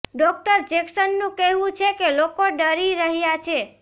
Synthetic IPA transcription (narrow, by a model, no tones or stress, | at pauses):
ɖɔk̚ʈəɾd͡ʒeksənːũkeɦũt͡ʃʰekelokoɖəɾiɾəɦjat͡ʃʰe